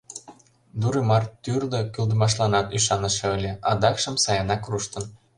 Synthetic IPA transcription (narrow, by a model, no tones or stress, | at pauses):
d̪uɾemɑrt̪yrd̪ɤ̆kyld̪ə̆mɑʃlɑnɑt̪yʃɑnə̆ʃĕɤlʲeɑd̪ɑkʃə̆msɑjɑnɑkruʃt̪ə̆n